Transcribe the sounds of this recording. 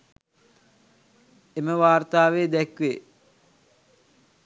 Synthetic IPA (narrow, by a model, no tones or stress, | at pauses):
eməʋaːrt̪aːʋeːd̪ɛkʋe